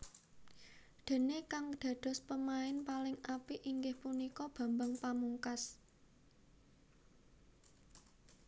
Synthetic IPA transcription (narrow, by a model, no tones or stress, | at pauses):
d̪̥e̤nekaŋɖ̪̥ä̤ɖ̪̥ɔ̤spəmaɪnpalɪŋapiʔiŋɡɪhpunikɔb̥ä̤mbaŋpamuŋkas